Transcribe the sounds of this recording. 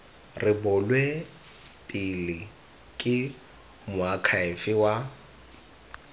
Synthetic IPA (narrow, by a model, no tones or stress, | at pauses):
rɪbʊlwe | pʼɪlɪ | kʼɪ | mʊakʰaɪfɪwa